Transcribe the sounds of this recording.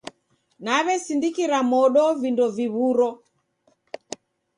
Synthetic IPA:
naβɛsindikiɾamɔɗɔvindɔviβuɾɔ

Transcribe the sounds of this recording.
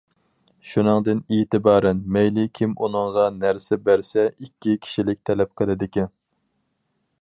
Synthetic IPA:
ʃunɨŋd̪ɨneːt̪ɨbɑːɾɛnmɛjlɪkʲʰimʔunɨŋʁɑnæɾsɪbæɾsɛikʲʰːikʲʰi̥ʃilɪk̚ʲt̪ʰɛlɛp̚qʰəlˠɨd̪ɪkʲʰin

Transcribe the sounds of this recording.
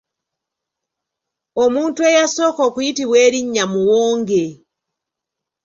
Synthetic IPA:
ɔmuntuɛjasɔkɔkuitiwɛɾiɲɲamuwɔːŋɡɛ

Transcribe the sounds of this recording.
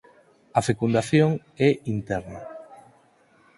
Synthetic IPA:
ɐfekund̪aθjoŋ | ɛʔint̪ɛɾna

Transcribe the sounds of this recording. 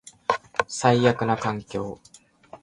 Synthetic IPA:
saiːakɯ̟nakãŋkʲo̞ː

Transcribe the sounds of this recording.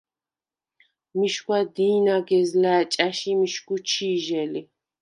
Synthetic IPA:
miʃkʰʷad̪iːnaɡɛzlæːt͡ʃʼaʃimiʃɡut͡ʃʰiːʒɛli

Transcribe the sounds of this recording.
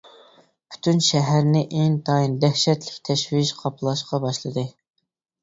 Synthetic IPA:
pʰy̥t̪ʰynʃɛɦæɾnɪʔeŋt̪ʰɑind̪ɛhʃɛt̪lɪ̥kʲt̪ʰɛʃwɪʃqʰɑpʰlˠɑʃqɑbɑʃlˠɨd̪ɨ

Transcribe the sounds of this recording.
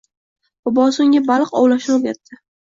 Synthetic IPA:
b̥ɒbɒsʊŋʲabalˠqɒ̰wlaʃoɡʲat̪ʰːɪ

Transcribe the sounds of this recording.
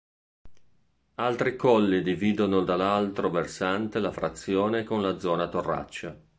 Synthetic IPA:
alt̪ɾikɔlːid̪iviːd̪onod̪alːalt̪ɾoversant̪elafɾat̪sːjɔːnekonlad̪zːɔːnat̪orːa̰t͡ʃːa

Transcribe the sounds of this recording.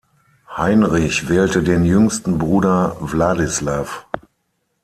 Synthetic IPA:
haɪnʁɪçvɛːltədeːnjʏŋstn̩bʁuːdɐvlaːdɪslaːf

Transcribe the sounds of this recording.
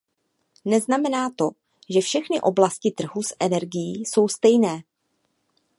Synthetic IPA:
nɛznamɛnaːt̪o̞ | ʒɛfʃɛxnɪʔo̞blascɪt̪r̩ɦusʔɛnɛɾɡɪjiːso̞wst̪ɛjnɛː

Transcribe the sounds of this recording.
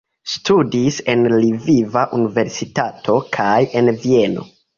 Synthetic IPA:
studise̞nlivivaʔunive̞ɾsitatʰo̞kʰaje̞nvie̞no̰

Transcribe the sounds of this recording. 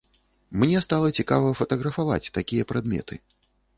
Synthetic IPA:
mnʲɛst̪alˠɐt͡sʲikavɐfɐt̪ɐɣɾɐfava̰t͡sʲt̪akʲijɐpɾad̪mʲɛ̰t̪ʰɨ̰

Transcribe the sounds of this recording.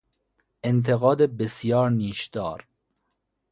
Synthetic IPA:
ʔent̪ʰeɣɒːd̪ebesjɒːɾniːʃd̪̥ɒːɾ

